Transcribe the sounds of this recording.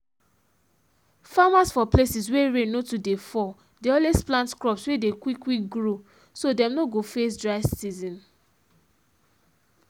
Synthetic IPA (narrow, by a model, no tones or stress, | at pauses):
famasfɔplesisweɹẽnotudefɔ | deɔlesplãntkɹɔpswedekwikwik̚ɡɹo | sodɛ̃mnoɡofes̬dɹaɪsizĩn